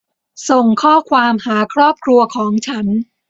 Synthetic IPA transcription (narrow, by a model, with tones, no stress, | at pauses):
so˨˩ŋkʰɔː˥˩kʰwaː˧mhaː˩˦kʰɾɔː˥˩p̚kʰɾu˧ɐkʰɔː˩˦ŋt͡ɕʰa˦˥n